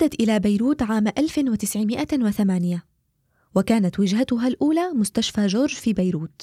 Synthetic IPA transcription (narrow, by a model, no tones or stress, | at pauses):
ad̪ːat̪ʔɪlaːbajɾuːt̪ʕaːmʔalfɪnwɪt̪ɪsʕɪmɪʔawɪθamaːnɪja | wakaːnat̪wɪd͡ʒɦat̪ʊɦaːlʔuːlaːmʊst̪aʃfaːʒoːɾʒfiːbajɾuːt̪